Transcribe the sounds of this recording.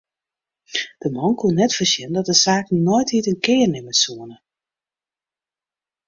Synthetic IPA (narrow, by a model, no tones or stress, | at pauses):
d̥əmɔnkunɛtfərsɪnndɔt̚dəsaːkn̩nojthitənkɪːrnɪməsuənə